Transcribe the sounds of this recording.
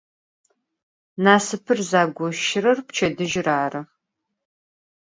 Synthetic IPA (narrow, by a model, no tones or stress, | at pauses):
naːsɨpʰɨrzaːɡʷɔʃɪrɐrpt͡ʃʰɐdɨʒɪraːrɐ